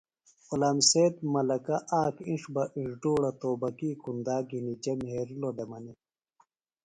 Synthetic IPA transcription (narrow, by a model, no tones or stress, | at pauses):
qulaːmseːt̪̚mɐlɐkɐʔaːkĩʂbɐʔiʂɖuːɽɐt̪oːbɐkiːkund̪aːɡinid͡ʑɐmheɾilodemɐni